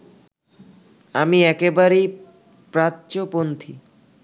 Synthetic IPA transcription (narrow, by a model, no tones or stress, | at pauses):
amiɛkebaɾej | pɾatːt͡ɕopont̪ʰḭ